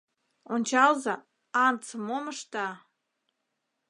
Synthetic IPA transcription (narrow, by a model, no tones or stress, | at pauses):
onʲt͡ɕɑlzɑ | ɑnt͡səmoməʃt̪ɑ